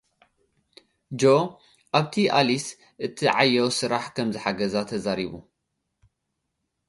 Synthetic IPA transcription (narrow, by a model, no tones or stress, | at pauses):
d͡ʒo | ʔaβt̪ʰiʔa̰lis | ʔɨt̪ʰiʕajːɐwsɨɾaħkʰɐmzɨħaɡɐzat̪ʰɐzaɾiβṵ